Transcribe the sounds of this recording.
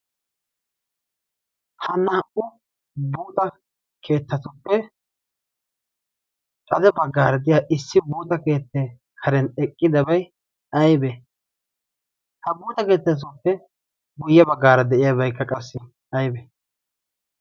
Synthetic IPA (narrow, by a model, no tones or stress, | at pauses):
hɐnːɐɐʔʊ | buːt̪ʼɐ | kʰe̞ːt̪ːɐt̪ʊpːɛ | kʼɐd̪ɛbɐɡːaːɾɐd̪ɪjaːʔɪsːɪbuːt̪ɐke̞ːt̪ːɛ | kʰɐɾɛnɛkʼːɪd̪ɐbɐj | ɐjbɛ | hɐbuːt̪ɐke̞ːt̪ːɐt̬ʊpːɛ | ɡʊjːɐbɐɡːaːɾɐd̪ɛʔɪjɐbɐjkːɐkʼɐsːɛ | ɐjbɛ